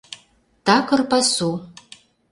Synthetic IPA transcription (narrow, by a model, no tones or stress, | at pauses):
takʰɨrpasu